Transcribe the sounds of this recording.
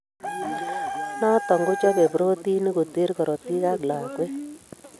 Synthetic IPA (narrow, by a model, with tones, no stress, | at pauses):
na˦tɔ˨ŋɡʊ˦t͡ʃɔ˦ke˨pɾo˦ti˦ni˦ko˨te˦ɾkɔ˨ɾɔ˨ti˦ka˦kla˨kwe˦